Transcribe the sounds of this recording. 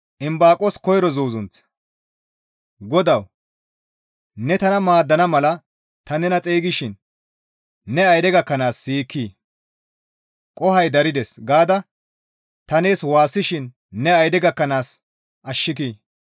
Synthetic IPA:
ʔɪmbaːkʼɔskɔjɾɔzuːzʊnt͡s | ɡɔd̪ɐw | nɛt̪ɐnɐmaːd̪ːɐnɐmɐlɐ | t̪ɐnɛnɐt͡sʼeːɡɪʃɪn | ɛɐjd̪ɛɡɐkːɐnaːsːiːkʰːiː | kʼɔhɐjd̪ɐɾɪd̪ɛsɡaːd̪ɐ | t̪ɐneːswaːsːɪʃɪnː | ɛɐjd̪ɛɡɐkːɐnaːs | ʔɐʃːɪk̬iː

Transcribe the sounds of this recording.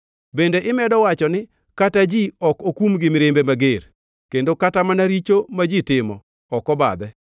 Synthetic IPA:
bendeʔɪmɛdɔwat͡ʃɔnɪ | katad͡ʒiɔkokumɡɪmɾembemaɡeɾ | kendokatamanaɾit͡ʃomad͡ʒitɪmɔː | kɔba̰d̪ɛ

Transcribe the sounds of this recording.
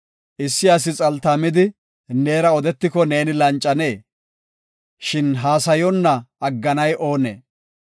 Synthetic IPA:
ʔɪsːɪjaːs̬ɪt͡sʼɐlt̪ɐmɪd̪ɪ | ne̞ːɾɐɔd̪ɛt̪ːɪkɔne̞ːnɪlɐnt͡ʃʼːɐne̞ː | ʃɪnɦaːsɐjɔnːɐɐɡːɐnɐjʔo̞ːnḛː

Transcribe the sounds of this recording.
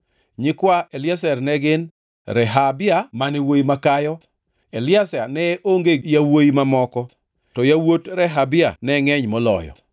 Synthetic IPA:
ɲɪkwaʔelɪjasɛrnɛɡɪn | ɾɛɦabɪamanɛwojimakajɔ | elɪasanɛʔoŋɡejawojimamɔkɔ | tɔjawotɾɛɦabɪa̰nɛŋɛɲmɔlɔ̰jɔ̰

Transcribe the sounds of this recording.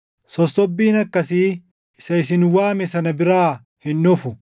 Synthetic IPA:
sɔsːɔbːiːnɐkːɐsiː | ɪsɐɪs̬ɪnwaːmɛsɐnɐbɪɾaː | hɪnːʊfʊ

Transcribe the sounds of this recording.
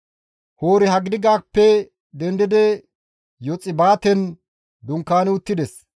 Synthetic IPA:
hoːɾɪɦɐɡɪd̪ɪɡaːpːɛ | d̪ɛnd̪ɪd̪ɛ | jɔt͡sʼːɪbaːt̪ɛn | d̪ʊŋkːaːnɪʊt̪ːɪd̪ɛs

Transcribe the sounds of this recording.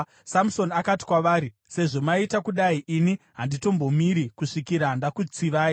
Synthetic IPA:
samuso̞nakati̥kwaʋaːɾi | se̞ʐo̞maitakuɗaiʔini | ɦandito̞mbo̞miɾikuʂikiɾaɦandakut͡siʋaːi

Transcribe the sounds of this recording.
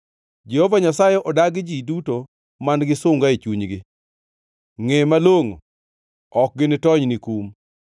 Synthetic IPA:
d͡ʒehovaɲasajɛʔɔdaɡɪd͡ʒiduto | manɡɪsʊŋɡait͡ʃuɲɡɪ | ŋemaloŋo̰ | ɔk̚ɡɪnɪtɔɲnikum

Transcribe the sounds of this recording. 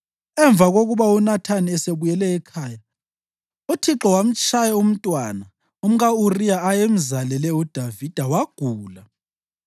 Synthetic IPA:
ɛɱb̪vʱaɣoɣuβaunatʰaniɛseβujɛlɛːkʰaːja | utʰiǁɔwam̩t͡ʃʼʰajɛum̩tʼwana | um̩ɣaurijaːjem̩zalɛlɛud̥ʱavid̥ʱawaɡ̥ʱuːla

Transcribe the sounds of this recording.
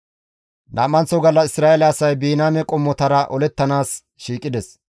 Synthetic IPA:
nʔa̰ːmɐnt͡sɔɡɐlːɐɪsɾaːʔɛlɐːsɐjbiːnaːmɛkʼɔmːɔt̪ɐɾɐʔɔlɛt̪ːɐnaːs | ʃiːkʼːɪd̪ɛs

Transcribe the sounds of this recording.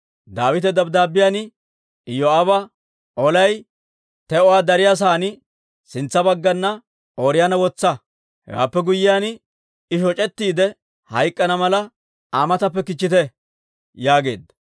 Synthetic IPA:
d̪aːwɪt̪ɛd̪ɐbd̪aːbɪjanɪ | ɪjɔabɐ | ɔlɐj | t̪ɛɔwaːd̪ɐɾɪjas̬aːnɪ | sɪnt͡sːɐbɐɡːɐnːɐ | oːɾɪjanɐwɔt͡sːɐ | hɛ̰wa̰ːpːɛɡʊjːɪjaːn | ɪʃɔt͡ʃʼɛt̪ːiːd̪ɛ | hɐjkʼːɐnɐmɐlɐ | aːmɐt̪ɐpːɛkɪt͡ʃːɪt̪ɛ | jaːɡe̞̰ːd̪ːɐ

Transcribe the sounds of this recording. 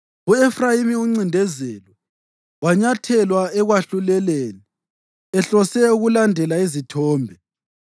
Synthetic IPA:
uɛfrajimiuŋ͡ǀindʱɛzɛlɔ | waɲatʰɛlwaɛɣwaɬulɛlɛːlɛ | ɛɬɔsɛuɣulandʱɛlaizitʰɔːmbʱɛ

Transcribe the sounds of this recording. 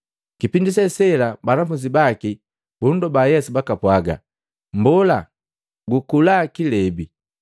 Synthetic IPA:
kipindisɛsɛlabanafuɲd͡ʒibaki | b̥undɔbajɛsubakapwaɡa̰ | mbɔla | ɡukulakilɛbi

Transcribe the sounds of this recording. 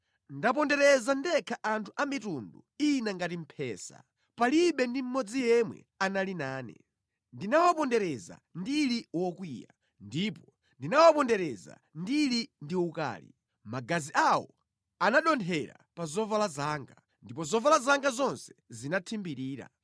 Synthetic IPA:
ndapɔndɛɾɛzandɛkʰaʔantʰuʔamitunduinaŋɡatim̩pʰɛːsa̰ | paliɓɛndim̩mɔd͡zijɛmwɛ̰ | analinaːnɛ̰ | ndinawapɔndɛɾɛza̰ndiliwɔkwija̰ | ndipɔ | ndinawapɔndɛɾɛza̰ndilindiuka̰ːlḭ | maɡaziʔawɔ | anaɗɔntʰɛɾa̰pazɔvalazaːŋɡa | ndipɔzɔvalazaŋɡazɔnsɛ̥zinatʰimbiɾiːɾa̰

